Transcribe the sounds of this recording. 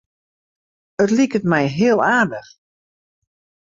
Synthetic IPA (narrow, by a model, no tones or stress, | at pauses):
ətlikətmɛjɦɪəlˠaːrdəx